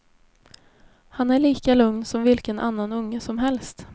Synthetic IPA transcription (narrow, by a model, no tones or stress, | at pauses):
hanæɭiːkalɵŋnsɔmvɪlkənʔa̰nːanɵŋːəsɔmɦɛlst̪